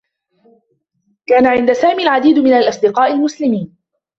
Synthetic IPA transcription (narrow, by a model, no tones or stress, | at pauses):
kaːnaʕɪnd̪asaːmiːlʕad̪iːd̪mɪnalʔɑsˤd̪ɪqɑːʔɪlmʊslɪmiːn